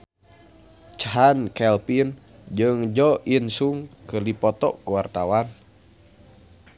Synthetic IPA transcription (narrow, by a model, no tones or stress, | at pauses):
t͡ʃaɦankɛlpin | d͡ʒɨŋd͡ʒɔinsuŋkəlipɔt̪ɔ̰ʔkuwart̪awan